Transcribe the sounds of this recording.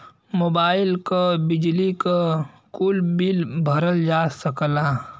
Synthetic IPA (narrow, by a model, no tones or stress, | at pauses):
moːbaːɪlkobɪd͡ʒlika | kuːlbɪlbʱɐɾəld͡ʒaːsəklaː